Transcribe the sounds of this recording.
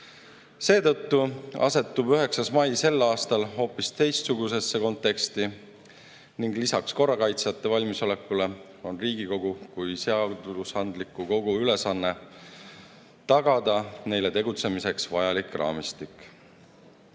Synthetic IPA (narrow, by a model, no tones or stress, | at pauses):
se̞ːt̪ɤ̞t̪ːuɑ̰se̞t̪ːubyɦe̞ksɑsmɑjse̞lːɑːst̪ɑlɦo̞ːpːist̪e̞jst̪suɡuse̞sːe̞ko̞nt̪ːˑe̞kst̪i | niŋɡ̥lisɑksko̞rːɑkɑjt̪sjɑt̪ːe̞vɑlʲmiso̞le̞kːule̞ | o̞nriːɡ̥iko̞ɡ̥ukujse̞ɑd̪̥usɑnd̪likːˑuko̞ɡ̥uyle̞sɑnːe̞ | t̪ɑɡ̥ɑd̪̥ɑne̞jle̞t̪e̞ɡ̥ut̪se̞mise̞ksvɑjɑlikrɑ̰ːmist̪ikːˑ